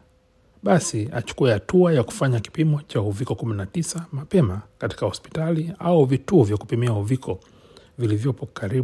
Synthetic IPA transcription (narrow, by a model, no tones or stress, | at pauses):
ɓasia̰t͡ʃu̥kuɛhatuajaku̥faɲaki̥pimɔt͡ʃahuvikɔkuminatisamapɛmakati̥kahɔspi̥taliauvituːvjakupimiahuvikʰɔ | vilivjɔpɔkaɾi